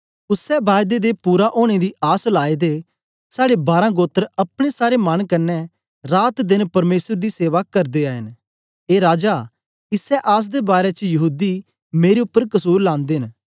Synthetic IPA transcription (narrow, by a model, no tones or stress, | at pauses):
ʊsɛbaːjd̪ed̪epuːɾaʔoːɽ̃ed̪iʔaːslaːed̪e | saːɽebaːɾãɡoːt̪əɾɐpɽ̃esaːɾemɐnkɐnːɛ | ɾaːt̪d̪ɪnpɐɾmeːsəɾd̪iseːʋakɐɾd̪eaːɦɪn | eːɾaːd͡ʒa | ɪsɛʔaːs̬d̪ebaːɾɛt͡ʃjɐɦuːd̪i | meːɾeʊpːəɾkɐsuːɾlãːnd̪eɦn